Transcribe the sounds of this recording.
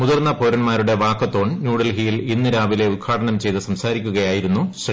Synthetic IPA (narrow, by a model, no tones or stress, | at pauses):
muðɐrnːɐpoːɾɐnmaːɾuɽe̞ʋaːkːɐt̪ːo̞ːɳnjuːɽɐlɦijilinːɨɾaːʋile̞ud̪̚kʰaːʈɐɳɐmt͡ɕe̞jt̪ɨsɐmsaːɾikʲːuɣɐjaːjiɾunːuɕr